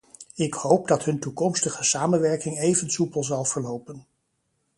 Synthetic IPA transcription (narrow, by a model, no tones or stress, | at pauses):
ɪkhowpdɑtɦɵntukɔmstəχəsaːmənʋɛɹkɪŋejvənsupəlˠzɑlˠv̥əɹlowpən